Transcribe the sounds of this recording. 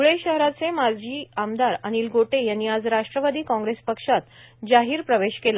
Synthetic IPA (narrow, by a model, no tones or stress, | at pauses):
uɭeɕəɦɾat͡semaɾd͡ʑiːamd̪aɾaɽ̃iːlɡoʈejanːiːad͡zɾaʂʈɾəʋad̪iːkɔ̃ŋɡɾespəkʂat̪d͡ʑaɦiːɾpɾəʋeɕkela